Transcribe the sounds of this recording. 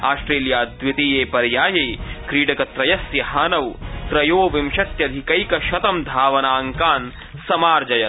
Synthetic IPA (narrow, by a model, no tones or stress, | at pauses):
aːsʈɾeːljaːd̪ʋit̪iːjeːpɐɾjaːjɐjkɾiːɖɐkɐt̪ɾɐjɐsjɐɦaːnɐwt̪ɾɐjoːʋimʃɐt̪jɐd̪ʱikɐjkɐʃɐt̪ɐmd̪ʱaːʋɐnaːŋkaːn | sɐmaːɾd͡ʒɐjɐ